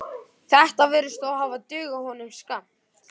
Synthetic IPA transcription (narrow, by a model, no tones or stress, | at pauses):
θɛht̪avɛːɾʏst̪ɔwhaːvat̪ʏːɣahɔnʏmskam̥t̪